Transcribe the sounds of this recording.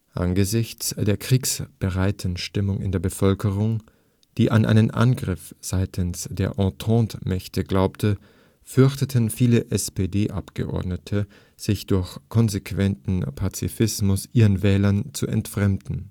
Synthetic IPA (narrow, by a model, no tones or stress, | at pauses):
ʔa̰nɡəzɪçt͡sd̥eːɐkʁ̥iːksb̥əʁaɪtʰn̩ʃtɪmʊŋɪ̰ndeːɐbəfœlkəʁ̞ʊŋ | d̥iːʔa̰nʔa̰ɪnənʔa̰nɡʁɪfz̥aɪtʰən̩sd̥eːɐʔɑ̃tʰɔ̃ːtmɛçtʰəɡlaʊptʰə | fʏɐçtətʰənfiːləʔɛspeːdeːʔa̰pɡ̥ə̰ʔɔ̰ɐdnətʰə | z̥ɪçd̥ʊɐçkʰɔnzekv̥ɛntn̩pʰat͡sḭfɪsmʊsʔiːʁənvɛːlɐnt͡suɛ̰ntfʁ̥ɛmdn̩